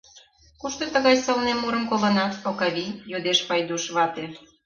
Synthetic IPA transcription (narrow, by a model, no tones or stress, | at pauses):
kuʃt̪ot̪ə̆ɣɑjsolnemːuɾə̆mkolə̆nɑt̪okɑβijod̪eʃpɑjd̪uʃβɑt̪e